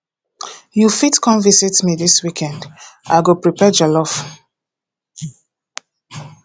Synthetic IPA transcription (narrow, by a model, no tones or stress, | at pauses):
jufitkɔ̃nvisitmiðiswikʰɛ̃nda̰ɪɡopɹipɛd͡ʒalɔf